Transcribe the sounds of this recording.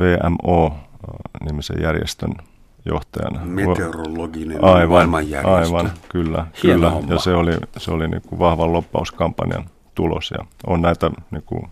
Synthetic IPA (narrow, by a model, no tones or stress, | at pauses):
ʋeːæ̰moː | nimisḛjærjḛst̪øn | joht̪ɑjɑ̰nɑmeoeroloɡineɑiʋɑlɑjjæʔɑiʋɑnkylːækylːæjɑseoliseolinḭŋkuʋɑhʋɑllopːɑuskɑmpːɑnḭɑ̰n | t̪ulo̰sjɑ̰onnæit̪æniːkṵ